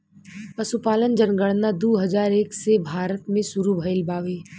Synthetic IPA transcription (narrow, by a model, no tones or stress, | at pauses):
pɐsupaːlənd͡ʒənɡəɽnad̪uːɦɐzaːɾeːksebʱaːɾət̪mẽsʊɾubʱəɪlbaːʋeː